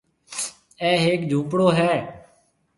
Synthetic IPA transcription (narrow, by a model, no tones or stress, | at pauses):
ɛːɦeːkd͡ʒʱũːpɽoːɦɛː